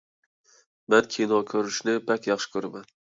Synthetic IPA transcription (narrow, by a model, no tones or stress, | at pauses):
mɛnkʲʰinɒkʲʰɵɾɪʃnɪbækʲjɑχʃɪ̥kʲʰɵɾamæn